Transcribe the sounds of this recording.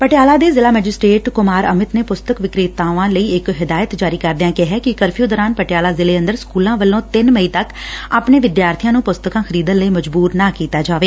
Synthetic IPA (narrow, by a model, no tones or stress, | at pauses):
pəʈejaːlaːd̪eːzɪlaːmɛːd͡ʒɪsʈɾeːʈkʊmaːɾə̰mɪt̪neːpʊst̪əkʋɪkɾiːt̪ːaːʋãːləiːɪkɦɪd̪aːjət̪d͡ʒaːɾiːkəɾd̪eãːkɪɦɛːkɪkəɾpʰjuːd̪ɔːɾaːnpəʈɪjaːlaːzɪleːə̃nd̪əɾskuːlãːʋəlːõːt̪ɪnməiːt̪ək | aːpɳeːʋɪd̪jaːɾt̪ʰijãːnũːpʊst̪əkãːxʰəɾiːd̪ənləiːməd͡ʒbuːɾnaːkiːt̪aːd͡ʒaːʋeː